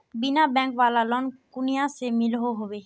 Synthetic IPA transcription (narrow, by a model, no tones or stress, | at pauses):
bɪnabɛ̃ːŋkʋaːlalɔːnkʊnɪjãsemɪlɦoɦoːʋeː